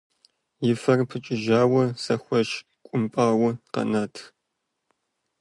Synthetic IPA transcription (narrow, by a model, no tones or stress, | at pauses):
jɪfɐrpʰɨt͡ʃʼɪʒaːwɐsɐxʷɐʃ | kʷʼʊmpʼaːwʊqɐ̰nɐtʰ